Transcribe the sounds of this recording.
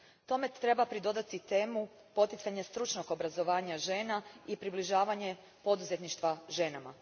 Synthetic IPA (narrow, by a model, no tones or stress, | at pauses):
t̪o̞me̞t̪ɾe̞bapɾid̪o̞d̪at̪it̪e̞ːmu | po̞t̪it̪saɲest̪ɾut͡ʃno̞ɡo̞bɾazo̞ʋaːɲaʒeːnaipɾibliʒaːʋaɲe̞ | po̞d̪uze̞t̪niʃt̪ʋaʒe̞nama̰